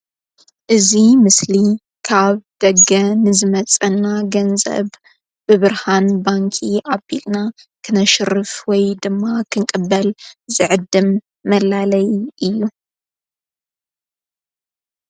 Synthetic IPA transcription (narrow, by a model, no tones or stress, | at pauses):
ʔɨzimɨsli | kʰaβd̪̥ɐɡɐnɨzɨmɐt͡sʼɐnːaɡɐnzɐ̰β | b̥ɨβɨɾhanbaŋkʰiʔabilna | kʰɨnɐʃɨrɨfwɔjd̪ɨmːakʰɨŋkʼɨbːɐlzɨʕɨd̪ːɨmː | ɐlalɐjʔɨjːu